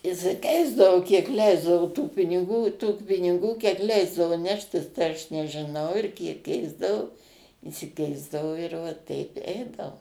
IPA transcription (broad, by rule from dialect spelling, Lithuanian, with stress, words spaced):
ɪʃʲsʲɪˈkʲɛɪzdɐʋoː kʲiɛk ˈlʲɛɪzdɐʋoː tuː pʲɪnʲɪˈɡuː tuː pʲɪnʲɪˈɡuː kʲiɛk ˈlʲɛɪzdɐʋʊ ˈnʲæːʃʲtʲɪs tɐɪ ˈɐʃ nʲɛʒʲɪˈnɐʊ ɪr ˈkʲiɛk ˈkʲɛɪzdɐʋoː ɪʃʲsʲɪˈkʲɛɪzdɐʋoː ɪr ʋɐ ˈtʲɛɪp ˈɛɪdɐʋoː